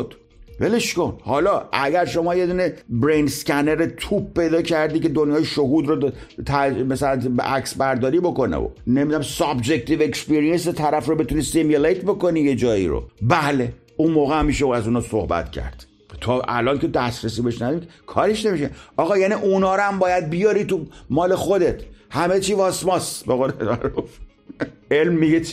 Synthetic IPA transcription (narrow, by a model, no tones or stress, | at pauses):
d̪̥ | veleʃkonhɒːlɒːʔæɟæɾʃo̞mɒːje̞d̪uːne̞bɾejnskæneɾet̪ʰuːp̚ːe̞jd̪ɒːcʰæɾd̪iːced̪onjɒːjeʃoɦuːd̪ɾo | t̪ʰæmæsælænbḛʔæksbæɾd̪ɒːɾiːbo̞ko̞nḛo̰nemid̪unæmsɒbd͡ʒekt̪ʰivekspeɾijenset̪ʰæɾæfɾobe̞t̪unisemjulejt̪ʰbo̞ko̞niːje̞d͡ʒɒːḭɾo̰bæle | unmoːɣeæmːiʃeæzuːnɒːsohbæ̰t̪cʰæ̰ɾd̪̥ | t̪ʰɒːʔæ̰lɒːnkʰe̞d̪æst̪ɾesiːbeʃnæd̪ɔɾikʰɒːɾeʃnemiʃeɒːɣɒːjæːniʔunɒːɾmbɒːjæd̪̚bijɒːɾit̪umɒːle̞xod̪e̞t̪ʰhæme̞t͡ʃʰiːvɒːsmɒsbeɣoːleaɾuf | elmːiɡe